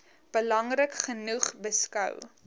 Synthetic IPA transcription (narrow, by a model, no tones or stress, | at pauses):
b̥əlɐŋrəkχənuχbəskœ̰w